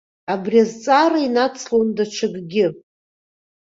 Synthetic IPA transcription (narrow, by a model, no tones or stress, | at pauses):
abriazt͡sʼaɾainat͡sʰlondat͡ʃʰɨɡɡʲɪ